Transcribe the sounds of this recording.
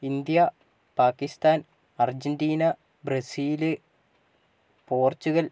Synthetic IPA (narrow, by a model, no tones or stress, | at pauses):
ind̪jɐ | paːkːist̪aːn | ɐrd͡ʑɐndiːnɐ | brɐsiːlɨ | po̞ːrt͡ɕːuɣɐl